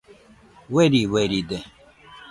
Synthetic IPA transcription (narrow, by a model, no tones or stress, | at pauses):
weɾiweɾid̪e